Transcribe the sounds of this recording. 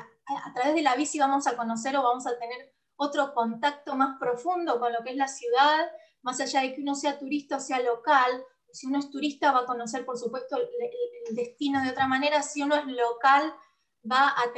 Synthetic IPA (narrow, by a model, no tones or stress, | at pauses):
a̰t̪ɾaβ̞e̞zð̞e̞laβ̞isiβamosako̞no̞s̬e̞ɾo̞βamosat̪e̞neɾ | o̞t̪ɾo̞ko̞nt̪ak̚t̪o̞maspɾo̞fund̪o̞ko̞nlo̞keeslasjuðað | masaʒað̞e̞keuno̞s̬eat̪uɾist̪aosealo̞kal | osiunoe̞st̪uɾist̪aβaːko̞no̞s̬e̞ɾpoɾsupwe̞st̪oeeld̪e̞st̪ino̞ðeo̞t̪ɾamane̞ɾasiunoe̞zlokal | baat̪